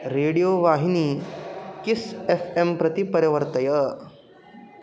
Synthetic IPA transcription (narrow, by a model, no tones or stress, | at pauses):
ɾeɽijoʋaɦiniːkisefempɾət̪ipəɾjəʋəɾt̪əjə